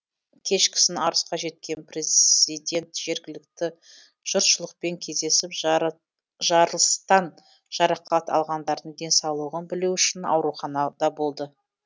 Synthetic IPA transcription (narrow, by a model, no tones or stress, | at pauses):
kʲʰe̞ʃkʲʰɪ̥sɪnɑɾəsqɑʒe̞t̪̚kʲe̞npreijd̪ʲe̞nt̪ʒ̥e̞ɾɡʲɪlɪk̚t̪ɪ | ʒ̥ʊɾt̪ʃəlˠəq̚pe̞ŋkʲʰe̞zd̪e̞sɪp | ʒɑɾəlˠəst̪ɑn | ʒ̥ɑɾɑqɑt̪ʰɑ̰lˠʁɑnd̪ɑɾd̪əɴd̪e̞nsɑwlˠuʁənbɪluwʏʃɪnɑ̰wɾuχɑnɑd̪ɑbo̞lˠd̪ə